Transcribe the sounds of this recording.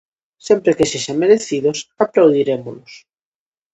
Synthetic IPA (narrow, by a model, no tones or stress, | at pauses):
sɛmpɾekeseʃaŋmeɾeθiðʊsaplawðiɾemolʊs